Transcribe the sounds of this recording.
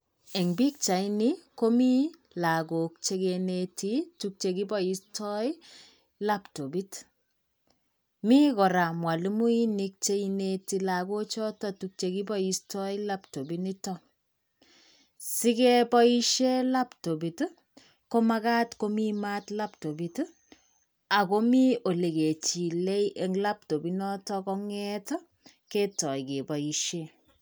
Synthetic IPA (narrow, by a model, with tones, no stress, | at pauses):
ɛ˨ŋbi˦k̚t͡ʃa˨ini˦ko˦mi˦ | la˨ɡo˨k̚t͡ʃe˦ɡeneti˦tuk̚t͡ʃe˨ki˦bɔ˦i˦stʰɔ˦j | la˦pto˨bi˦t | mi˦kɔ˨ɾa˨mwa˨li˦mu˦i˦ni˦k̚t͡ʃe˦ineti˨la˨ɡo˦t͡ʃɔ˦tɔ˦tuk̚t͡ʃe˨ki˦bɔ˦i˨stɔ˦i˦la˦pto˨bi˦ni˦tɔ˦ | si˦ke˦pɔ˦i˦ʃe˦la˦pto˨bi˨tu˦ | ko˦ma˦ka˦tko˦mi˦ma˦tla˦pto˨bi˨t | a˨ko˦mi˦o˨le˨ke˨t͡ʃi˨le˦jʔe˦ŋla˦p̚to˨bi˦nɔ˦tɔ˦kɔ˦ŋɛ˦tɔ˦ | ke˦tɔ˨jke˨bɔ˨i˨ʃe˦